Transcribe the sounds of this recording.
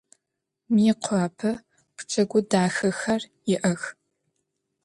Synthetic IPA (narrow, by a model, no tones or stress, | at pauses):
miːqʷʰaːpʰɐ | pʰt͡ʃʰʼɐɡʷʊdaːxɐxɐrjɪʔɐx